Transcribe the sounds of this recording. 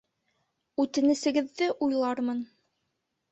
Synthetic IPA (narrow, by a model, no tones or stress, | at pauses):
ʉt̪ɘ̆nɘ̆sɘ̆ɡɘ̆ðːɘʔujlˠɑɾmɤn